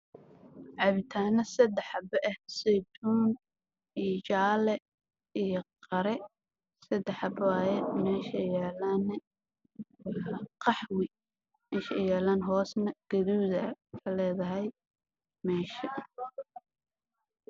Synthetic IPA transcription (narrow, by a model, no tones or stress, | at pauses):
ʕɑβɪt̪ʰaːnɐsɐd̪ɛħɐbɛʔɛsɛjd̪uːn | ijt͡ʃaːlɛ | ijɔqɐɾɛ | sɐd̪ɛħɐbajɛmɛːʃɐjɛːlaːnɛ | qɑħwɪ | mɛːʃɐjaːlaːnɦɔːsnɐɡ̥ɐðuwðɐkʰɐlɛːðɐɦɛj | mɛːʃɐ